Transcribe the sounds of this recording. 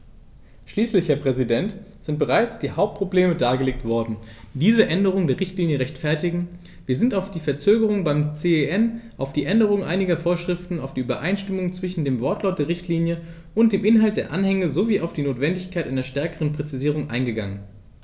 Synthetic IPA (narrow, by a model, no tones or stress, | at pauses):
ʃliːslɪçhɛːɐpʁ̥ɛzidɛnt | z̥ɪnt̚b̥əʁaɪt͡sd̥iːhaʊp̚t̚pʁ̥obleːmədaːɡəleːk̚tv̥ɔɐdn̩d̥iːzəʔɛndəʁ̞ʊŋdeːʁɪçtliːnjəʁɛçtfɛɐtɪɡŋ̩ | viːɐzɪntaʊfd̥iːfɛɐt͡søːɡəʁ̞ʊŋbaɪmt͡seeɛnʔaʊfd̥iːʔɛndəʁ̞ʊŋʔa̰ɪnɪɡɐfoːɐʃʁ̥ɪftn̩aʊfd̥iːʔyːbɐʔaɪnʃtɪmʊŋt͡sv̥ɪʃn̩deːmvɔɐtʰlaʊt̚d̥eːɐʁɪçtʰliːnjə | ʔʊnt̚d̥eːmʔɪnɦalt̚d̥eːɐʔanhɛŋəzoviːʔaʊfd̥iːnoːtv̥ɛndɪçkʰaɪtʔaɪnɐʃtɛɐkəʁənpʁ̥ɛt͡siziːʁ̞ʊŋʔa̰ɪnɡəɡa̰ŋən